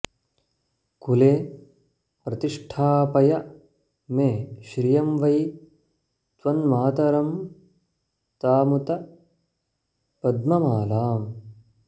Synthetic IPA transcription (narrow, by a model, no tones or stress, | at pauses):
kuleː | pɾɐt̪iʂʈʰaːpɐjɐ | meːʃɾijɐmʋɐj | t̪ʋɐnmɐɦɐt̪ɐɾɐm | t̪aːmut̪ɐ | pɐd̪̚mɐmaːlaːm